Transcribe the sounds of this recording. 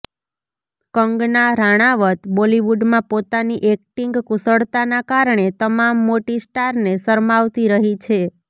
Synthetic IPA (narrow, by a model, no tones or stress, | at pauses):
kəŋɡnaɾaɽ̃aʋət̪boliʋuɖmãpot̪aniʔek̚ʈiŋɡkusəɭt̪anakaɾɳ̃et̪əmamːoʈisʈaɾnesəɾmaʋt̪iɾəɦit͡ʃʰe